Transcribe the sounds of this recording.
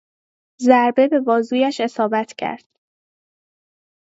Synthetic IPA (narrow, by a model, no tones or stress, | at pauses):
zæɾbe̞be̞bɒːzuːjæʃe̞sɒːbæt̪ʰcʰæ̰ɾd̪̥